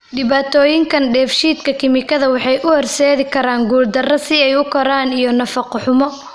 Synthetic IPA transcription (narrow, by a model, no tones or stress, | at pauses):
ɖɪβaːt̪ʰɔːjɪŋkʰɐnɖɛːfʃiːd̪kʰɐkʰɪmɪkʰɐðɐwɑħɑjʔʊhɔrsɛːðɪkʰɐɾaːŋɡuːld̪ɐrɐsɪɛjʊkʰɔɾaːnijɔnɐfɐqʊħʊmɔ